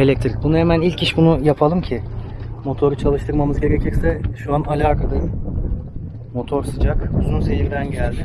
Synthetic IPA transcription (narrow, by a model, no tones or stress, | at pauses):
e̞lʲɛc̚t̪ʰɾic̚bunuhemænilʲciʃbunujapʰalˠɯmcʰɪmo̞t̪ʰo̞ɾut͡ʃʰalˠɯʃt̪ʰɯɾmamɯzɟe̞ɾecʰiɾsɛʃuanalʲaːkʰad̪ˠɯ | mo̞t̪ʰo̞ɾsɯd͡ʒakuzunse̞ɦiɾd̪ænɟælʲd̪ɪ